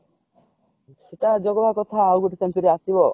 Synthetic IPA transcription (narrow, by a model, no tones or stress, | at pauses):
sit̪ad͡ʒɔɡɔbakɔt̪ʰaːwɡuʈisenpiɾeasibɔ